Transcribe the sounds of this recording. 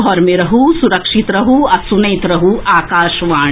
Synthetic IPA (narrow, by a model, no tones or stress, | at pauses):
ɦɔːɾmẽɾɐɦusuɾɐkʂit̪ɾɐɦuɐsunɐːt̪ɾɐɦuʔaːkaːʃʋaː